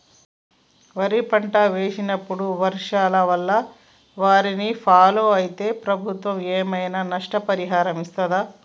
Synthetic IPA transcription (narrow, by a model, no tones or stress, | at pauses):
ʋɐɾipɐɳʈaʋeːʂinɐpːuɽuʋɐɾʂaːlɐʋɐlːɐ | ʋaːɾinipʰaːloːɐjit̪e̞ːpɾɐbʱut̪ʋɐmeːmɐjnɐnɐʂʈɐpɐɾiɦaːɾɐmist̪ɐd̪aː